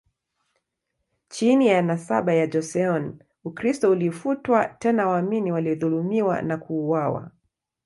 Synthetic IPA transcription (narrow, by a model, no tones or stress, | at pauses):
t͡ʃinijanasa̰ɓajad͡ʒɔsɛɔn | ukɾistɔulifutwatɛnawaːminiwaliɔðulumiwa̰nakuːwawa̰